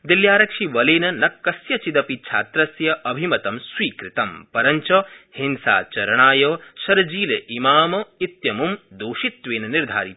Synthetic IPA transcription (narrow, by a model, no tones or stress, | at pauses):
d̪iljaːɾɐkʂiʋɐleːnɐnɐkːɐsjɐt͡ʃid̪ɐpit͡ʃʰa̰ːt̪ɾɐsjɐʔɐbʱimɐt̪ɐmswiːkɾɪt̪ɐmpɐɾɐɲt͡ʃɐhinsa̰ːt͡ʃɐɾɐɳaːjɐːʃɐɾɐd͡ʒiːleʔimaːmɐit̪jɐmumd̪oːʃit̪ʋeːnɐniɾd̪ʱa̰ːɾit̪